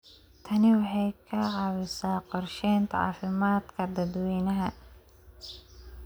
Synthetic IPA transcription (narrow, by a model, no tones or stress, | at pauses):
t̪ʰɐnɪwɑħɑjkʰɐʕɑwɪsaːqɔrʃɛːnt̪ʰʕɑ̰ːfɪmaːd̪kʰɐd̪ɐd̪wɛːnɐɦɐ